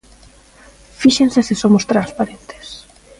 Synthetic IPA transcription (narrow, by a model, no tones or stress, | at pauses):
fiʃensesɪsomʊst̪ɾanspaɾent̪ɪ̥s